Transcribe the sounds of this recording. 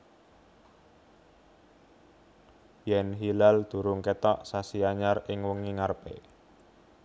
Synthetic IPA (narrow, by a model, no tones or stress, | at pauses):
jɛnɦilald̪̥ṳɾʊŋket̪ɔʔsasiaɲarɪŋwəŋiŋarpḛ